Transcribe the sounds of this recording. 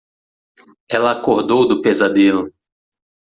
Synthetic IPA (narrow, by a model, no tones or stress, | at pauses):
ɛlɐːkoɾd̪owd̪ʊpezad̪elʊ